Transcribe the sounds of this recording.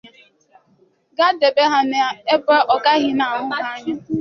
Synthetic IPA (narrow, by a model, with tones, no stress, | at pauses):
ɡa˦de˨be˦ɦa˦na˨e˦ba˦ʔɔ˨ɡa˦ɣɪ˦na˨ɦʊ˦ma˦ɲa˦